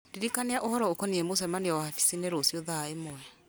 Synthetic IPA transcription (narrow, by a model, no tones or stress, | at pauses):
diɾikaneaʔohɔɾɔokɔniɛmos̬ɛmaneɔwafi̥sineɾosioðaemɔɛ